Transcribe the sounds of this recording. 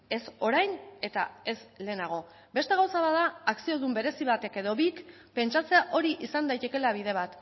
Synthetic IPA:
e̞so̞ɾajne̞t̪a̰e̞sle̞ːnaɣ̞o̞ | be̞st̪eɣawsaβaðaːksio̞ðumbe̞ɾe̞siβ̞at̪e̞ke̞ð̞o̞βik | pe̞nt͡ʃat͡se̞aʔo̞ɾiʔisand̪ajt̪e̞ke̞laβ̞iðe̞β̞at̪

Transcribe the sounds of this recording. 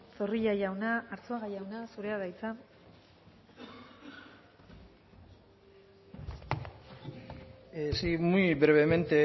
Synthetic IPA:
so̞riʎajawnaːɾt͡soaɣajawnasuɾe̞aðajt͡sa | esimujbɾeβe̞me̞nt̪e

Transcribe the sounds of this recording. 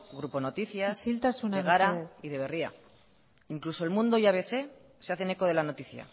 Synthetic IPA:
ɣɾupo̞no̞t̪iθjasilt̪asunaeɣaɾaeiðe̞β̞e̞ria̰ | iŋkluso̞elmũnd̪o̞iaβe̞θe̞ | seaθe̞ne̞ko̞ð̞e̞lano̞t̪iθja̰

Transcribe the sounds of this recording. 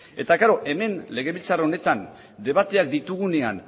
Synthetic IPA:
e̞t̪aɣaɾoʔe̞me̞nle̞ɣ̞e̞βilt͡saro̞ne̞t̪an | d̪e̞βat̪e̞ak̚d̪it̪uɣ̞une̞a̰n

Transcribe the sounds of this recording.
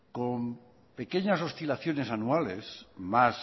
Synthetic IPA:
kom | pe̞keɲas̬o̞st̪ilaθjo̞ne̞sanualesmas

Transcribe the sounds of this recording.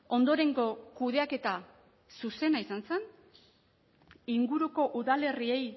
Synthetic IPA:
o̞nd̪o̞ɾe̞ŋɡo̞kuðe̞ake̞t̪a | suse̞naisanse̞n | iŋɡuɾuko̞ʔuðale̞rie̞j

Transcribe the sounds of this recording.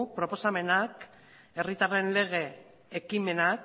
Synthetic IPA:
pɾo̞po̞same̞nak | e̞rit̪are̞nle̞ɣ̞e̞ː | kime̞nak

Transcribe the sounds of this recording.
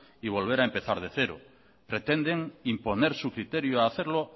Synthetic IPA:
iβ̞o̞lβ̞e̞ɾaempeθaɾðeθeɾo̰ | pɾet̪end̪eŋimpo̞neɾsukɾit̪eɾjoaːθeɾlo

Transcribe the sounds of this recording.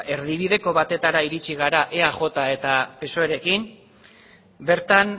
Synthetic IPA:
e̞ɾðiβ̞ið̞e̞ko̞βat̪e̞t̪aɾaiɾit͡ʃiɣ̞aɾaʔeaʝo̞t̪ae̞t̪ape̞soeɾe̞kim | be̞ɾt̪an

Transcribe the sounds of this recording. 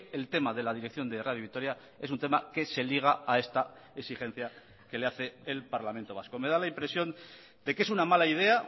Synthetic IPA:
elt̪e̞maðe̞lað̞iɾek̚θjo̞nd̪eraðjiβikt̪o̞ɾja | e̞s̬unt̪e̞make̞se̞liɣ̞aae̞st̪a | eksixe̞n̟θja | ke̞leaθe̞ːlpaɾlament̪o̞βasko̞me̞ð̞alaimpɾe̞sjo̞n | d̪e̞ke̞sunamalaið̞e̞a

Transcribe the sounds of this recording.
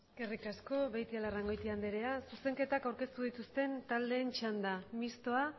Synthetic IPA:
kerikasko̞βejt̪ialaraŋɡo̞jt̪iand̪eɾe̞asuse̞ŋke̞t̪akawɾke̞st̪uðit̪ust̪e̞nt̪ald̪e̞ːnt͡ʃand̪amist̪o̞a

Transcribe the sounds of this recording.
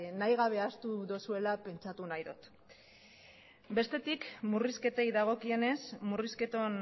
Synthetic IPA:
najɣ̞aβ̞e̞ast̪uðosue̞lape̞nt͡ʃat̪unajðot̪ | be̞st̪e̞t̪ikmuriske̞t̪e̞jðaɣ̞o̞kie̞ne̞smuriske̞t̪o̞n

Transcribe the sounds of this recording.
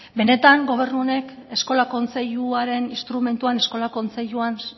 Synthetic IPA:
be̞ne̞t̪aŋɡo̞β̞e̞ɾnuone̞ke̞sko̞lako̞nt͡se̞ʎuaɾe̞ninst̪ɾume̞nt̪uane̞sko̞lako̞nt͡se̞ʎuan

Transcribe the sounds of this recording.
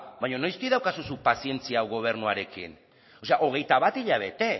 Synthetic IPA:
bajɲo̞nojst̪iðawkasusupasie̞nt͡siawɣo̞β̞e̞ɾnuaɾe̞kḭn | o̞se̞aʔo̞ɣ̞e̞jt̪aβat̪iʎaβ̞e̞t̪e̞

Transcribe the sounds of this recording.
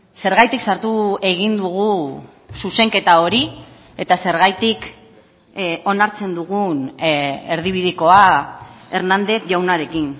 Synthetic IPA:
se̞ɾɣajt̪iksaɾt̪ue̞ɣ̞ind̪uɣ̞u | suse̞ŋke̞t̪ao̞ɾi | et̪ase̞ɾɣajt̪ik | o̞naɾt͡se̞nd̪uɣune̞ɾðiβ̞ið̞iko̞a | e̞ɾnand̪e̞θʝawnaɾe̞kin

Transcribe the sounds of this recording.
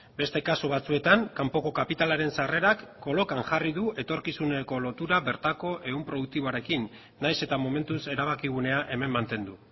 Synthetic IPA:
be̞st̪e̞kasuβat͡sue̞t̪aŋkampo̞ko̞kapit̪alaɾe̞nsare̞ɾakːo̞lo̞kaŋʝariðuʔe̞t̪o̞ɾkisune̞ko̞lo̞t̪uɾaβe̞ɾt̪ako̞ʔe̞umpɾo̞ðuk̚t̪iβo̞aɾe̞kinː | ajse̞t̪amo̞me̞nt̪use̞ɾaβ̞akiɣ̞une̞aʔe̞me̞mːant̪e̞nd̪u

